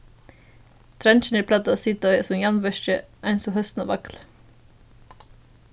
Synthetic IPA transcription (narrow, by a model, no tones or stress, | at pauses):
t̪ʰɾɛnt͡ʃən̩iːpʰlɑt̪əoːsɪt̪ɔʏəsɔmjɑnʋœʃt͡ʃə̰ʔæɪnsɔhœst̪n̩o̰ːʋɑkl